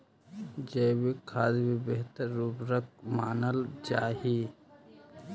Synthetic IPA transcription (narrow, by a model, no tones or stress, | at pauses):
d͡ʒeːbikʰaːd̪bibeɦt̪əɾːubɾək̚maːnəld͡ʒaːɦi